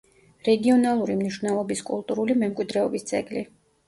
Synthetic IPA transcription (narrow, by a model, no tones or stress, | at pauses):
ɾɛɡiɔnalˠuɾimniʃvnɛlˠɔbiskʼulˠt̪ʼuɾulimɛmkʼwid̪ɾɛɔbist̪sʼɛɡli